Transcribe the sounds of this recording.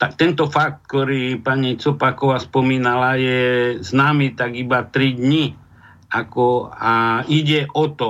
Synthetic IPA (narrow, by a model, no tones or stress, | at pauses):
t̪ak̚t̪ɛnt̪ɔfak̚t̪̚kt̪ɔɾiːpaɲit͡sɔpakɔʋaspɔmiːnalajɛznaːmiːt̪aɡibat̪ɾid̪ɲi | akɔaiɟɛʔɔt̪ɔ